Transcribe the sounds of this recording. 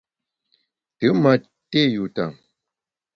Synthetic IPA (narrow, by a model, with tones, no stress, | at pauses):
tɨ˨˦ma˨ | te˦ju˨ta˨ŋ